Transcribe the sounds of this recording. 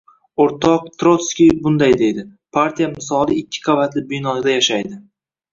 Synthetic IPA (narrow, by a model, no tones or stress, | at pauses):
oɾt̪ʰɒq̚t̪ɾot̪skʲijbʊnd̪ajd̪e̞jd̪ɪpʰaɾt̪ʰijamɪsɒlˠɪɪkʲʰːɪ̥qʰɑvat̪lɪbɪjnɒd̪ajaʃajd̪ɪ